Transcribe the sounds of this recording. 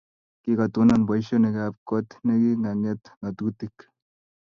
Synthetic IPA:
kikat̪unanbajʃoneɡap̚kot̪neɡiŋaŋet̪ŋat̪ut̪ik

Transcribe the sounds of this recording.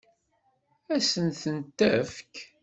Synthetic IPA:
æsənθənt̪ːæfk

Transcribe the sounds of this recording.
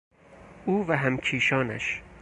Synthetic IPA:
ʔuːvæɦæmcʰiːʃɒːnæ̰ʃ

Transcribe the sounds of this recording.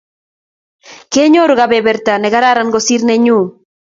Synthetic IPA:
keɲoɾuɣaβeβeɾt̪aneɣaɾaɾaŋɡosiɾneɲu

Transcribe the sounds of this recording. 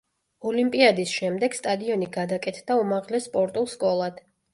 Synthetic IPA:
ɔlimpʼiad̪isʃɛmd̪ɛɡ̥st̪ʼad̪iɔniɡad̪akʼɛt̪ʰd̪aumaʁlɛsːpʼɔɾt̪ʼulˠskʼɔlˠad̪̥

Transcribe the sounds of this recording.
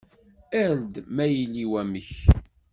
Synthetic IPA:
æld̪mæjilːiwæməç

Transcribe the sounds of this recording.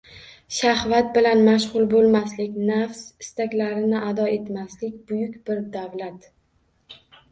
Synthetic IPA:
ʃahvat̪̚bɪlanmaʃʁʊlˠbolˠmaslɪkʲnafsɪst̪ʰakʲlaɾɪnɪʔad̪ɒe̞t̪maslɪkʲbʊjʊkʲbɪɾd̪avlat̪

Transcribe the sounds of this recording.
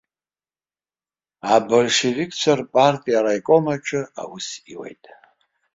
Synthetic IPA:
abɨrʂirikʼʰt͡sʷʰarpʼartʼijaɾajkʼomaʈ͡ʂʰɨa̰wʊsiwḛjtʼ

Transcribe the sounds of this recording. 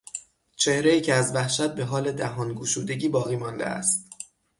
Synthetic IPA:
t͡ʃʰe̞hɾe̞iːcʰeæzvæhʃæt̪̚be̞ɦɒːle̞d̪æɦɒːnɡuːʃuːd̪e̞ɟiːbɒːɣiːmɒːnd̪ḛæ̰st̪̚

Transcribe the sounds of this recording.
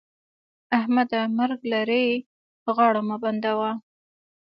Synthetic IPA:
ahmad̪amaɾɡlaɾe | ɣɑɽamaband̪awa

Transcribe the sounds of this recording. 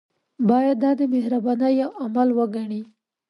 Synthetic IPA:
bɑjad̪ːɑd̪əmehɾabɑnəjawamalwəɡaɳi

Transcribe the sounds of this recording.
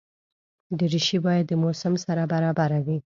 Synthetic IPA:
d̪əɾɪʃibɑjad̪ːəmosamsaɾabaɾɑbaɾawi

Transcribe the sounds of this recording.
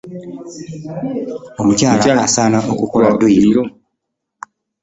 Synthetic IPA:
omucaːlaaasaːnaʔokukoladoi

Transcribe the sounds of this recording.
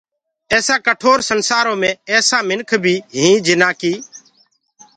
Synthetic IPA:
ɛːsãːkəʈʰoːɾsənsaːɾõːmẽːɛːsãːmɪnkʰbʱiːɦĩːd͡ʒɪnaːkiː

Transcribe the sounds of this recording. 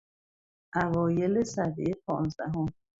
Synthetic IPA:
ʔævɒːjelesæbejepʰɒ̰ːnzd̪æ̰ɦom

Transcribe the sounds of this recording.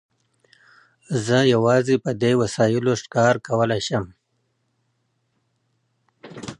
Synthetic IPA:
zəjawɑzepəd̪ewasɑjɪloʂkɑɾkawəlaʃəm

